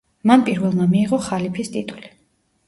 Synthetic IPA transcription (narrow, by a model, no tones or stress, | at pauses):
manpʼiɾvɛlˠmamiːʁɔχalipʰist̪ʼit̪ʼuli